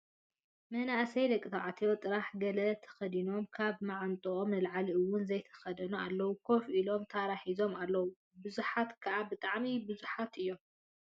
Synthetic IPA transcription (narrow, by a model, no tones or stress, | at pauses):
mɐnaʔsɐjlɐkʼːɨt̪ʰaʕat̪ʰjot̪ʼɨɾaħɡɐlɐt̪ʰɐ̥xɐd̪ino̞mkʰaβmaʕant̪ʼuʔomnɨlʕaliɨwːʊnzɐjt̪ʰɐ̥xɐd̪ɐnua̰lːɐwukʰo̞fʔilo̞mt̪ʰaɾaħizo̞malːɐwu | bɨzuħat̪kʰɐʔabɨt̪ʼaʕmibɨzuħat̪ɨjːo̞m